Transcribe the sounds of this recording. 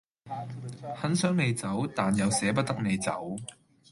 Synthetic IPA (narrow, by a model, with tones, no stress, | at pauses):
hɐ˨˥nsœː˨˥ŋme˨˧jt͡sɐ˨˥wt̪aː˨njɐ˨˧wsɛː˨˥p̬ɐ˥t̚t̪ɐ˥k̚ne˨˧jt͡sɐ̰˨˥w